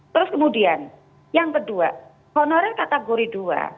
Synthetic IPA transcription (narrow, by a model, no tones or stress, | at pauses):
t̪əɾʊskəmudian | jaŋkədua̰ | hɔnɔɾɛkat̪aɡoɾidua̰